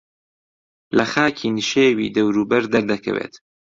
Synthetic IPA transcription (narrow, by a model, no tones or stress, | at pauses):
lɐxaːkʰinʃeːwḭːd̪ɐwɾuːbɐɾd̪ɐɾd̪ɐkʰɐ̰wḛːt̪